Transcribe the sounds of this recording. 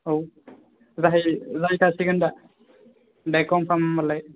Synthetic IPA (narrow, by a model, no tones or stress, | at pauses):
ow | zaɦijzaɦjkʰasiɡɯnda | dajkɔmpʰamːalːaj